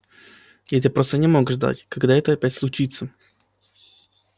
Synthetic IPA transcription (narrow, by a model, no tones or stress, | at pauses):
jat̪̬ʲɨpɾost̪ənʲɪmoɡʐd̪a̰tʲkɐɡd̪aɛt̪əɐpʲætʲslˠʊt͡ɕit̪sə